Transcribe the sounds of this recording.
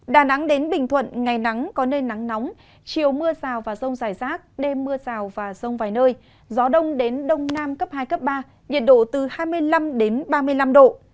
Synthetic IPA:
ɗaː˨˩na˨˦ŋɗe˨˦nɓï˨˩ŋ̟t̪ʰwə̰˧˨nŋa˨˩jna˨˦ŋkɔ˨˦nəː˧jna˨˦ŋnɔ˨˦wŋ͡m | t͡ɕi˨˩əwmɨ˧əzaː˨˩wvaː˨˩zə˧wŋ͡mzaː˧˩jzaː˦˥k̚ɗe˧mːɨ˧əzaː˨˩wvaː˨˩zə˧wŋ͡mvaː˨˩jnəː˧j | zɔ˨˦ɗə˧wŋ͡mɗe˨˦nɗə˧wŋ͡mnaː˧mkə˦˥p̚haː˧jkə˦˥p̚ɓaː˧ | ɲḭ˨ən̚ɗo̰˧˨t̪ɨ˨˩haː˧jmɨ˧əjla˧mɗe˨˦nɓaː˧mɨ˧əjla˧mɗo̰˧˨

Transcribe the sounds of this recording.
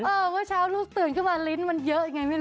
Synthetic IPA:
ʔəː˨˩vəː˨˦jsa˧wlʊ˦˥k̚t̪ɨ˨˩əŋkə˨˦maː˧˩li˨˦nma˧˩nzəː˧˦ŋa˨˩jmə˨˧˦

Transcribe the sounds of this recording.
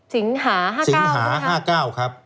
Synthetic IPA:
si˩˦ŋɦaː˩˦ɦaː˥˩si˨˩˦ŋɦaː˩˦ɦaː˥˩kaː˥˩wkʰɾa˦˥p̚

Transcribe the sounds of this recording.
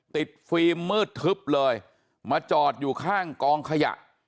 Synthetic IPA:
t̪i˨˩t̪̚fiː˧mːɯː˥˩t̪ʰːɯ˦˥p̚lɤː˧j | maː˧t͡ɕɔː˨˩t̪̚juː˨˩kʰaː˥˩ŋkɔː˧ŋkʰa˧ja̰˨˩ʔ

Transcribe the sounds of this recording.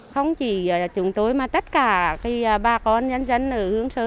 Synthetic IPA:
xə˧wŋ͡mt͡ɕi˧˩˨t͡ɕʊ˨˧˩ŋt̪o˨˦jmaː˨˩t̪ə˦˥t̚kaː˨˩˨xi˧ɓaː˧˩kɔ˧nzə˧ŋ̟zə˧jŋ̟ʔɨ˧˨˩hɨ˨˦əŋsəː˨˧˦

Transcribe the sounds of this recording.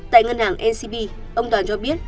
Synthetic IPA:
t̪a̰ː˧˨jŋə˧nhaː˨˩ŋʔɛ˧si˧ɓi˧ | ʔə˧wŋ͡mt̪waː˨˩nt͡ɕɔ˧ɓi˦˥ət̚

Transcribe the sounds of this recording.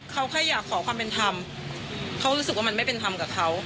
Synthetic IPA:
kʰa˦˥wkʰa˧˩jːaː˨˩kʰːɔː˩˦kʰwaː˧mpe˧nt̪ʰa˧m | kʰa˦˥wɾuː˦˥sɯ˨˩waː˥˩ma˧ma˥˩pe˧nt̪ʰa˧mkaː˨˩p̚kʰa˦˥w

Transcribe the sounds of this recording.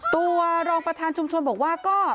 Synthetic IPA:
t̪u˧ɾɔː˧ŋpɾa˧t̪ʰaː˧nt͡ɕʰu˧mt͡ɕʰo˧nbɔː˨˩k̚waː˥˩kɔː˥˩

